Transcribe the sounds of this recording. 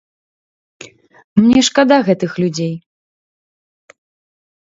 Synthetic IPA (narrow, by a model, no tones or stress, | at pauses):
mnʲɛʂkad̪aɣɛt̪ɨxlʲud͡zʲej